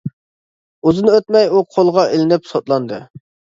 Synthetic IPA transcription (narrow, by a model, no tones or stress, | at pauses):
uzɨnøt̪mɛjuqʰolˠʁɑʔelɪnɪpsot̪lˠɑnd̪ɨ̰